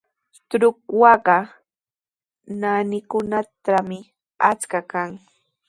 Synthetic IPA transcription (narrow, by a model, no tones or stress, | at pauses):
t̪ɾʊkwɑɢɑ | nanɪkʊnat̪amɪ | at͡skakaŋ